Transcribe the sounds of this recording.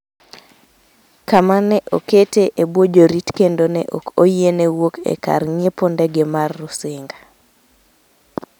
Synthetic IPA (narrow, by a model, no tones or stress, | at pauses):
kamanɛʔoketeʔebwod͡ʒoɾitkendonɛʔokojenɛwokʰɛ̰ka̰rɲepondɛɡɛmarːʊsɪŋɡḁ